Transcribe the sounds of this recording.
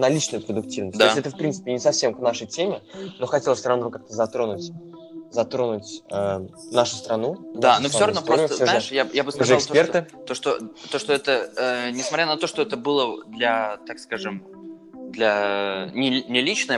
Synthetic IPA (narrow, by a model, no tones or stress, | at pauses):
nɐlʲit͡ɕnʊjʊpɾəd̪ʊk̚tʲivnəsʲttd̪aɪtʲɛt̪əfpɾʲintsɨ̥pʲɪnʲɪsɐfsʲe̞mknaʂəjtʲemʲɪno̞xɐtʲelˠəsʲɾɐvnkak̚t̪əzɐt̪ɾo̞nʊtʲ | zɐt̪ɾo̞nʊtʲənaʂʊ̥st̪ɾɐnud̪anofsʲoɐvnoɾot̪əsaʂjajabɨskʐɨɪlksˠt̪opert̪ɨt̪oʂt̪o̰t̪o̞ʂt̪oɛt̪əənʲɪsmɐtʲɾʲanɐt̪o̞ʂt̪oɛt̪əbɨlˠəd̪lʲɐt̪akskaʐɨm | d̪lʲɐnʲɪnʲɪlʲit͡ɕnəj